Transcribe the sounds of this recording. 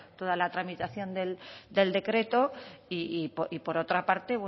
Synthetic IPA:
t̪o̞ð̞alat̪ɾamit̪aθjo̞nd̪e̞ld̪e̞ld̪e̞kɾe̞t̪o̞iipoʔipo̞ɾo̞t̪ɾapaɾt̪e̞βe

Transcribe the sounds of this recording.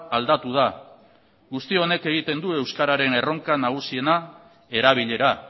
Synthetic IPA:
ald̪at̪uð̞a | ɣust̪io̞ne̞ke̞ɣ̞it̪e̞nd̪ue̞wskaɾaɾe̞ne̞ro̞ŋkanaɣ̞usie̞na | e̞ɾaβ̞iʎe̞ɾa

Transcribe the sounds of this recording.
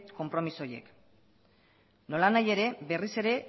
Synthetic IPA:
ko̞mpɾo̞miso̞je̞̰k | no̞lanaje̞ɾe̞be̞rise̞ɾe̞

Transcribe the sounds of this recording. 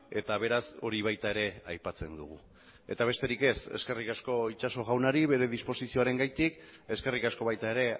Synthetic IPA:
e̞t̪aβ̞e̞ɾaso̞̰ɾiβ̞ajt̪ae̞ɾe̞ajpat͡se̞nd̪ṵɣ̞u | e̞t̪aβ̞e̞st̪e̞ɾike̞sḛske̞rikasko̞it͡ʃaso̞ɣawnaɾiβe̞ɾe̞ðispo̞sisio̞aɾe̞ŋɡajt̪ike̞ske̞rikasko̞βajt̪ae̞ɾe̞

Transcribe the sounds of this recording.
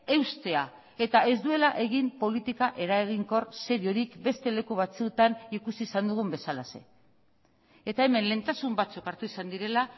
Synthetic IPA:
e̞wst̪e̞a | e̞t̪ae̞zd̪ue̞laʔe̞ɣimpo̞lit̪ikaʔe̞ɾaeɣiŋko̞rse̞ɾio̞ɾikbe̞st̪e̞le̞kuβ̞at͡suet̪anikusisand̪uɣ̞umbe̞salase̞̰ | et̪ae̞me̞nle̞nt̪asumbat͡sukaɾt̪uisand̪iɾe̞la

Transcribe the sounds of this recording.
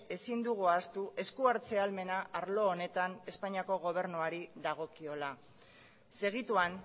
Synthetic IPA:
e̞sind̪uɣuast̪uʔe̞skuaɾt͡se̞alme̞naʔaɾlo̞ːne̞t̪ane̞spaɲiako̞ɣ̞o̞β̞e̞ɾnuaɾiðaɣ̞o̞kio̞la | se̞ɣit̪uan

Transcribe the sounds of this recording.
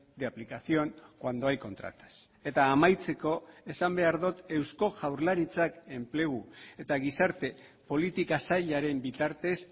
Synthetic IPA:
d̪eaplikasio̞ŋkwand̪o̞ajko̞nt̪ɾa̰t̪ḁs | e̞t̪aːmajt͡se̞ko̞e̞sambe̞aɾðut̪e̞wsko̞ʝawɾlaɾit͡sake̞mple̞ɣ̞ue̞t̪aɣisaɾt̪e̞ | po̞lit̪ikasaʎaɾe̞mbit̪aɾt̪e̞s

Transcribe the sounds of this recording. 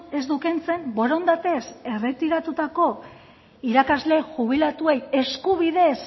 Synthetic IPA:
e̞zd̪ukent͡se̞mbo̞ɾond̪at̪e̞se̞re̞t̪iɾat̪ut̪ako̞ | iɾakazle̞ʝuβ̞ilat̪ue̞je̞skuβ̞iðe̞s

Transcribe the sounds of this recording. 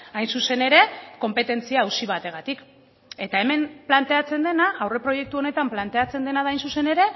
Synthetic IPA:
ajnsuse̞ne̞ɾe̞ko̞mpe̞t̪e̞nt͡siaːwsiβat̪e̞ɣ̞at̪ik | e̞t̪ae̞me̞mplant̪e̞at͡se̞nd̪e̞naʔawre̞pɾo̞je̞k̚t̪uo̞ne̞t̪amplant̪e̞at͡se̞nd̪e̞nað̞ajnsuse̞ne̞ɾe̞

